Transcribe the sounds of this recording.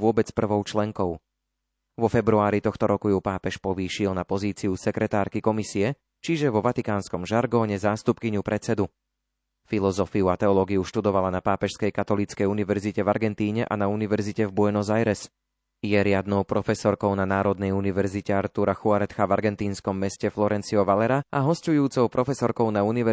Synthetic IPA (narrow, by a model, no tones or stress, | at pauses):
ʋʊɔbɛt͡spr̩ʋɔʊt͡ʃlɛŋkɔʊ | ʋɔfɛbɾuaːɾit̪ɔxt̪ɔɾɔkujuːpaːpɛʃpɔʋiːʃiɛlnapɔziːt͡siusɛkɾɛt̪aːɾkikɔmisiɛ | t͡ʃiʒɛʋɔʋat̪ikaːnskɔmʒaɾɡɔːɲɛzaːst̪upkiɲupɾʔɛt͡sɛd̪u | filɔzɔfiuat̪ɛɔlɔːɡijuʃt̪ud̪ɔʋalanapaːpɛʃskɛjkat̪ɔlit͡skɛjuniʋɛɾzicɛvaɾɡɛnt̪iːɲɛʔa̰nauniʋɛɾzicɛvbuɛnɔzajɾɛs | jɛɾɪad̪nɔʊpɾɔfɛsɔɾkɔʊnanaːɾɔd̪nɛjuniʋɛɾzicɛaɾt̪uɾaxuaɾɛt̪xavaɾɡɛnt̪iːnskɔmːɛscɛflɔɾɛnt͡siɔʋalɛɾaaɦɔscujuːt͡sɔʊpɾɔfɛsɔɾkɔʊnauniʋɛ